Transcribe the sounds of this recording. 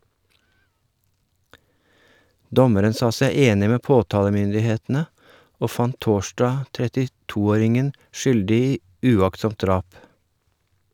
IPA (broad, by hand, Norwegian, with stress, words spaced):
ˈdɔməɾən ˈsɑː ˈsæɪ ˈeːnɪ ˈmeː ˈpoːtɑːləmʏndɪˌheːtn̩ə ˈoː ˈfɑnt ˈtoːʃdɑː tɾɛtɪˈtuː ˈoːɾɪŋən ˈʃʏldɪ ˈiː ʉˈɑktˌsɔmt ˈdɾɑːp